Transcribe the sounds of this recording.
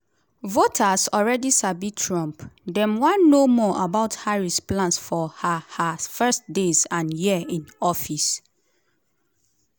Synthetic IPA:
votʰasɔlɹɛdisabitʰɹɔ̃mpdɛ̃mwãnːomɔʔabaʊthaɹisplãnsfɔhahafɛstdesãnjiĩnɔfis

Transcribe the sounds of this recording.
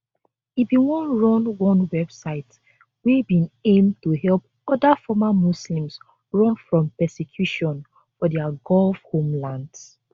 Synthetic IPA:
ibiwɔ̃nɹɔ̃nwɔ̃nwɛbsaɪt | wibĩnẽmtuhɛlˠp̚ | ɔdafɔmamuslĩms | ɹɔ̃nfɹɔ̃mpɛsekʰjuʃɔ̃n | fɔdɛaɡɔlfhõmlãnds

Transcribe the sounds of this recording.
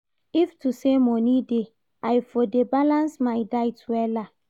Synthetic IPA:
iftusemɔnide | ajfodebalãnsmajdajtwɛla

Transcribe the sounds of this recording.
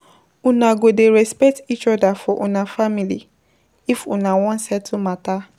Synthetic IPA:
unaɡodeɾɛspɛk̚tit͡ʃɔdafɔʔunafamili | ifṵnawɔ̃nsɛtʰumata

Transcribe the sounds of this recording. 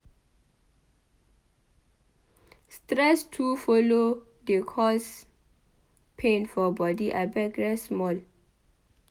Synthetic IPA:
stɹɛstʰufɔlo | dekʰɔs | pʰẽnfɔbɔdiʔabɛɡɹɛsmɔl

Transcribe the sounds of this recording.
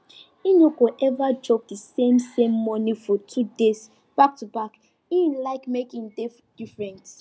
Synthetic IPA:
inoɡoʔɛvad͡ʒɔb̚dəsẽmsẽmːɔnifɔtʰudes | b̥ak̚tubak | ĩnlaɪkmekĩŋd | d̥ifɹɛ̃nt

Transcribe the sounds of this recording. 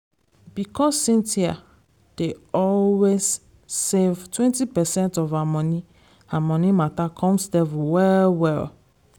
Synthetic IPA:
bikʰɔsːĩntʰia̰ | d̥eɔlwez | sevtʰwɛ̃ntipɛsɛ̃ntɔvamɔ̃ni | hamɔ̃nimatakʰɔ̃msdɛvuwɛlwɛl

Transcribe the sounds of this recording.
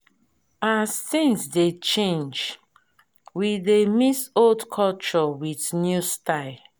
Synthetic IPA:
astĩnsdet͡ʃẽnd͡ʒ | wiðemisoldkʰɔlt͡ʃɔwiθnjustaɪl

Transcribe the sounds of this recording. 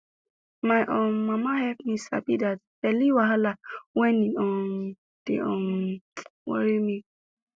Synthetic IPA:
majʔõmãmãhɛpmĩsa̰bidat | ɛliwaɦalawɛ̃nĩɔ̃n | d̥ḛʔɔ̃wɔ̰ɾimĩ

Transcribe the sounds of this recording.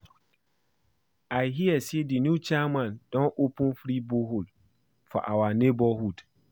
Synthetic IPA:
aɦiɛsdinũt͡ɕʰamãndɔ̃nʔopʰũnfɾibʊɦʊl | fa̰ʔawanẽbɔhud

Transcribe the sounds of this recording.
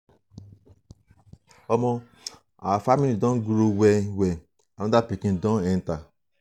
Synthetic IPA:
ɔmɔ | afamiidɔ̃ɡuɾowewe | anɔdapikĩndɔ̃nɛn̩ta

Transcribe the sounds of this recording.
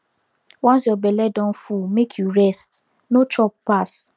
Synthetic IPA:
wɔ̃nsjɔbɛlɛdɔ̃nfumekʰjuɹɛst | not͡ʃɔpːas

